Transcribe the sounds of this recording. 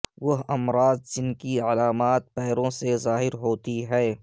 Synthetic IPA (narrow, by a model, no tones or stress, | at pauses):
ʋɐɦɐmɾaːzd͡ʒɪnkiɐlaːmaːt̪̚pɛːɾõsezaːɦɪɾɦoːt̪iɦɛː